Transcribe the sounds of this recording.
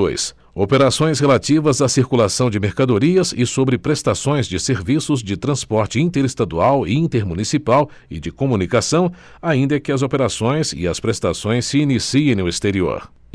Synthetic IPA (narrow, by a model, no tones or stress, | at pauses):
o̰js | opeɾasõj̃shelat͡ʃivɐzasiɾkulasɐ̃w̃d͡ʒɪmeɾkad̪oɾiɐzɪsobɾɪpɾest̪asõj̃zd͡ʒɪseɾvisʊzd͡ʒɪt̪ɾɐ̃spɔɾt͡ʃɪĩt̪eɾest̪ad̪uawɪĩnt̪eɾmunisipaw | ɪd͡ʒɪkomunikasɐ̃w̃ | aĩnd̪ɐkɪɐzopeɾasõj̃zɪ̰ɐspɾest̪asõj̃sːɪːnisiẽj̃nʊest̪eɾio̰ɾ